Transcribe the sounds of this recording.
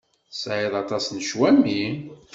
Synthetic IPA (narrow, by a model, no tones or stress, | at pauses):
sʕiðˤɑt̪ɑsnʃwæmːi